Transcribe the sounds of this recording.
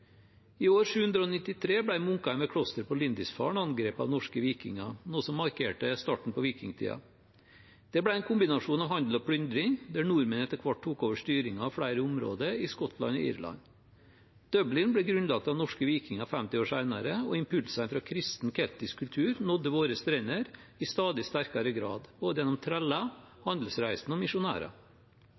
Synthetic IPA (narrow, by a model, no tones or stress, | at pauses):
iːoːɾʂʉːhʉnd̪ɾəoːnɪt̪ːɪt̪ʰɾeːbɽæɪmʊŋkɑɛmɛkʰɽɔst̪əɾpɔlɪnd̪ɪsfɑ̰ːɳɑnɡɾeːpɑ̰ʋnɔʂkəʋiːkɪ̰ŋɑnuːsɔmːɑɾkʰeːʈəst̪ɑːʈɳ̩pɔʋiːkɪŋt̪ʰḭːɑ̰ | d̪̥ɛbɽæɛɪnkʰʊmbɪnɑʂuːnɑʋɦhɑnd̪l̩ɔpʰɽʏnd̪ɾɪŋd̪æɳuɾmənɛt̪əɾkʰʋɑʈ̚ʰuːkoːʋəʂt̪yːɾɪŋɑːfɽæɪɾəʊmɾo̰ːd̪əɾɪskɔt̪ʰlɑ̰nɔ̰ḭːɾlɑ̰n | d̪̥œblɪnbɽɛɡɾʉnlɑk̚t̪ɑʋnɔʂkəʋiːkɪŋɑfæmt̪ɪoːʂæɪnɑɾəɔɪmpʰʉlsæɪnfɾɑːkʰɾɪst̪n̩kʰɛlt̪ɪskʰːʉlt̪ʰʉːɾnɔd̪ːəʋoːɾəst̪ɾenəɾɪst̪ɑːd̪ɪst̪æɾkɑɾəɡɾɑ̰ːd̪boːd̪əjɛnɔmt̪ʰɾɛlːɑ | hɑnd̪l̩sɾæɪsn̩ɔmɪʂʊnæ̰ːɾɑ̰